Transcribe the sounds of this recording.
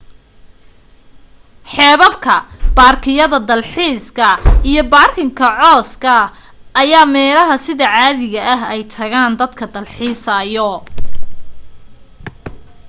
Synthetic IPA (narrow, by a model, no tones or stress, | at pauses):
ħɛːβɐbkʰɐb̥aːrkʰɪjɐðɐd̪ɐlħiːskʰɐijɞbaːrkʰɪŋkʰɐʕɔːskʰɐ | ɐjaːmɛːlɐɦɐsɪðɐʕaːðɪɣɐʔɐɦɛjt̪ʰɐɣaːnd̪ɐd̪kʰɐd̪ɐlħiːsɐjɔ